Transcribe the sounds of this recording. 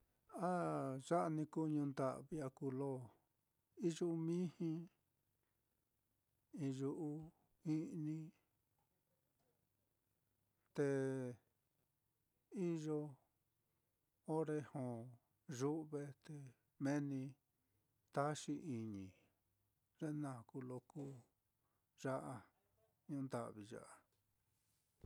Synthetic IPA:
a˦ʒa˦ʔnĩ˧ku˦˧ɲũ˧nd̪a̰˨ʔβi˧a˧ku˧lo˦˨ | i˦ʒu˦˧mĩ˦hĩ˧ | ĩ˧ʒu˧ʔu˦ | i˦nĩ˧ | t̪e˧ | i˦ʒo˧ | o˦ɾe˧hõ˨ | ʒu˦ʔβe˧t̪e˧ | mẽ˦nĩ˧ | t̪a˦ʃi˧ʔi˧ɲĩ˨ | ʐe˦nã˦˨ku˧lo˧ku˦ | ʒa˦ʔa˧ | ɲũ˧nd̪a̰˦˨ʔβi˧ʒa̰˨ʔa˧

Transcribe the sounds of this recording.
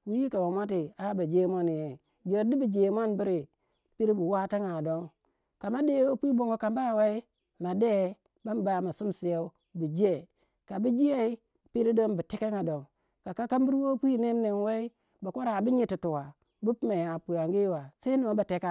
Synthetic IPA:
wu˦ji˦ka˨wa˨mʷa˦t̬i˨a˦ba˨d͡ʒe˦mo˦n˨je˨ | d͡ʒi˨ɾa˨di˦bi˨d͡ʒe˨mo˦nbi˦ɾi˨ | pi˦ɾi˦bu˨wa˦ti˦ŋa˨do˦ŋ | ka˨ma˦de˦o˦pi˦bo˨ŋɡo˨ka˨m˦ba˦˨we˦i˦ | ma˨de˦ | ba˦m˦ba˨˦˨ma˨su˦msi˨e˦u˦ | bi˨d͡ʒe˦˨ | ka˨bi˦d͡ʒi˦e˦i˦ | pi˦ɾi˦do˦nbi˨te˦ke˦ŋa˨do˨ŋ | ka˨ka˦ka˦m˦bi˦ɾwo˦pʷi˦ne˦m˦ne˨nwe˦i˦ | ba˨ko˦ɾa˨bi˦ɲi˨ti˨tu˨wa˨ | bu˦pma˨ja˨pu˨ja˨ŋɡi˦wa˨se˦no˨˦ba˨te˦ka˦

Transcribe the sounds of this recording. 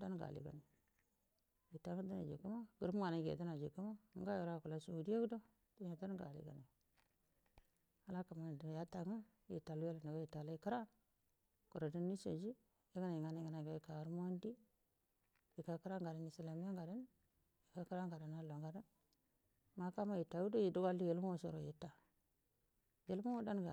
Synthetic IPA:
do˦ɡa̰˨lḭ˨ɡa̰˨ni˨ | ji˨ta˦ŋə˦du˦na̰˨d͡ʒḭ˨ɡu˦ma˦ɡ̥u˨ɾu˦m˦ŋa˨na˨ɡḛ˨du˦na˨d͡ʒi˨kːu˦ma˦ŋ˦ɡa˦o˨ɾa˦˨ku˨la˨su˦u˨di˦e˦ɡu˦do˦ | to˦ɲe˨do˦n˦ɡa̰˨lḭ˨ɡa̰˨ni˨ | a˨la˦ka˨mo˦n˨di˨ja˦ta˨ŋa˦ | jḭ˨ta˨lu˦je˦la˨na˨ɡa˦ji˨ta˨la˦i˨ki˦ɾa˦ | ku˨ɾo˨di˦nːi˦so̰˨d͡ʒi˦ | je˦ɡa˦na˨ji˨ŋa˨na˦˨ŋa˨na˨ɡa˦i˨ka˨ɾmo˦ndi˦ | ji˨ka˨ki˦ɾa˦ŋɡa˨da˨ni˨si˨la˨mi˦a˦ŋɡa˨da˦n | ji˨ka˨ki˦ɾa˦ŋɡa˨da˨na˦lo˨ŋɡa˦da˦n | ma˨ka˦ma˦ji˨ta˨˦u˦do˦ji˨du˦ɡa˦lːi˦je˨lmo˦so˨ɾo˨ji˨˦ta˨ | je˨lmo˦wu˦da˦nɡa̰˨

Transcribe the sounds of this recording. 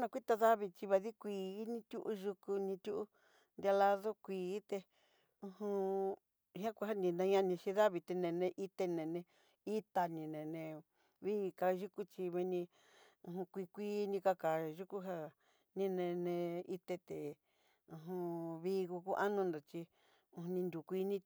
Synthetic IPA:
nã˧kʷi˦t̪a˧ða˦βi˧t͡ʃi˧βa˧ði˦kʷiː˨˧˨nĩ˧t̪ʲu˦ʔu˦ʒu˧ku˧nĩ˧t̪ʲu˦ʔu˦ | nd̪ja˧la˧ðo˦kʷiː˨˦t̪e˧ | ũ˧hũ˧ | hã˦kʷa˧ɦa˦nĩ˧nã˧ɲã˧nĩ˧ʃĩ˧ða˦βi˧t̪e˧nẽ˨nẽ˧ʔi˦t̪e˧nẽ˨nẽ˧ | i˦t̪a˧nĩ˧nẽ˨nẽ˧ | βiː˦˧ka˧ʒu˦ku˦t͡ʃi˧mẽ˧nĩ˧ | ũ˧˨ɦũ˧kʷi˧kʷiː˦nĩ˧ka˧ka˨ʒu˦ku˦ɦa˦˧ | nĩ˦nẽ˧nẽ˧i˧t̪e˧t̪e˨ | ũ˧ɦũ˧βi˦˧ku˧ku˦ʔa˦nũ˧nd̪o˨t͡ʃi˧ | ũ˧hũ˧nĩ˧nd̪u˨kʷi˧˦nĩ˧

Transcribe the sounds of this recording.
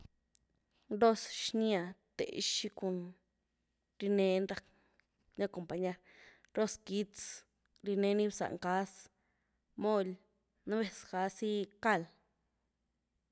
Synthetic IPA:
nɾo˦sʃnĩ˦a˨t̪ḛ˨ʔʃi˧ku˧n | ɾi˧nẽ˧˦nɾa˦ | nã˦ko˨mpa˨ɲa˧ɾ | ɾo˦ski˦t͡s | ɾi˧nẽ˧˦nĩ˦bsa̰˨ʔŋka˦s | mõ˦lʲ | nã˦βe˧ska˧˦si˦ka˦˧˨l

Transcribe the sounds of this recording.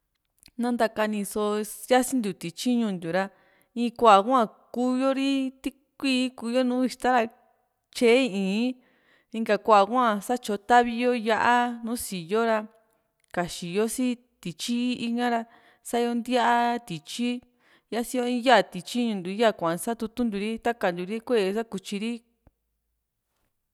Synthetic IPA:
nã˦˧nd̪a˧ka˧nĩ˧so˧ja˦si˦nd̪u˨t̪i˨t͡ʃi˦ɲũ˧nd̪u˨ɾa˧ | ĩː˧˦kʷa˧ʔa˨˧kʷã˦˧˨kuː˦jo˦ɾi˦t̪i˦ | kʷiː˦ku˧jo˦nũː˨˦i˧ʃt̪a˦ɾa˧ | t͡ʃe˦˧ĩː˨˦ | ĩ˧ŋɡa˧kʷa˧˨a˧kʷã˦˧˨sa˦t͡ʃo˧t̪a˦βi˧jo˦ja˦˧ʔa˦nũː˦si˨jo˦ɾa˧ | ka˨ʃi˨jo˦si˦ | t̪i˨t͡ʃi˦i˧ŋã˦ɾa˧ | sa˦jo˧nd̪ja˦ʔa˦t̪i˨t͡ʃi˦ | ja˦si˧jo˧ĩ˦ja˦˨t̪i˨t͡ʃi˦ɲũ˧nd̪u˨˧i˦ja˦˨kʷã˨ʔã˨˧sa˦t̪u˧t̪u˦nd̪u˧ɾi˦t̪a˦ka˨nd̪u˨ɾi˦kʷe˦˨˧sa˦ku˧t͡ʃi˧ɾi˦

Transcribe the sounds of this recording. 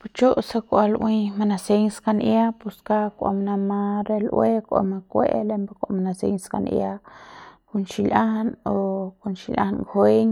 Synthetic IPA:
put͡ʃo˦ʔsa˧kʷa˧lʔwi˦ma˧nase˦ŋska˧nja˦pu˧ska˦kʷa̰˨mana˧ma˧ɾe˧lʔwe˦kʷa̰˨ma˧kʷe˦ʔlembakʷa̰˧mana˧sḛ˧ŋska̰nj̰a | kunʃilʔa˦hno˧ku˧nʃilʲʔa̰˦˧nkʰwe˦ɲ

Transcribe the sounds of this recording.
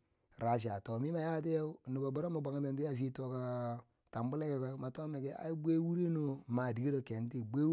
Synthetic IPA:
ɾa˨ʃ̬a˨to˨mi˦ma˨ja˦t̬e˦nu˨ba˨bu˦ɾa˦ma˨ba˨ŋ˦ta˨ndi˦a˦˨fi˦to˦ka˨ | ta˨mbu˦le˦ke˨ka˨˦ma˨to˦me˨ke˦a̰˨˦jbe˦wu˦ɾe˦no˨ma˨di˨ɡi˦ɾo˨ke˨n˦ti˦˨be˦

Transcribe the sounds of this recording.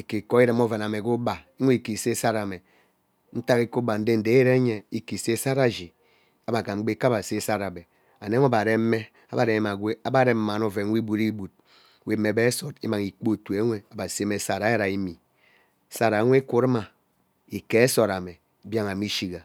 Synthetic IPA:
i˨ke˨ko˦i˦ɾe˨m˦o˦ve˨n˨a˨me˨ku˦ba˨i˦ŋʷe˦i˨ki˨se˦sa˦ɾa˨me˨ | n̩˦ta˦ɣi˦ku˦ba˨n̩˦de˦n̩˨de˨˦ɾe˦ɲe˨i˦ki˨se˦sa˦ɾa˨d͡ʒi˨ | a˨ba˨ka˨ŋ͡m̩˦ɡ͡be˦ka˦ba˨se˦sa˦ɾa˨be˨ | a˨ne˦we˦ba˨ɾe˦m̩˦me˦ | a˦ba˨ɾe˨e˦ma˨ɡʷe˦a˦ba˦ɾe˦m̩˦ma˨no˦ve˨n˦wi˦bu˨ɾi˦bu˨t̚ | we˨˦mːe˨be˦e˦so˨tḭ˦ma˨ŋi˨k͡po˦˨tu˨e˨˦ŋʷe˨a˨ba˨se˦me˨˦sa˨ɾa˦ja˦ɾa˨i˦mi˨˦ | sa˦ɾa˨˦ŋʷe˦ku˦ɾe˦ma˨ | i˨ke˨e˦so˨ɾa˨me˨ | bja˦ŋa˨mi˦ʃi˨ɡa˨

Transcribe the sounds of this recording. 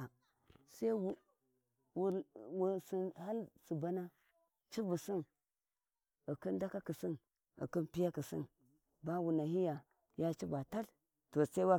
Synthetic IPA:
a˨ | sa˦i˦w | wu˨ɾwu˨si˨ha˦lsu˨ba˦na˦ | t͡ʃi˦bu˨si˦n | i˨ki˦nda˦ka˦ki˨si˦n | ə̰˨ki˦npi˦ja˦ki˨sḭ˦n | ba˦wu˨na˨ɦi˦ja˨ | ja˦t͡ʃi˦ba˨ta˦l | to˨sa˦i˦wa˦

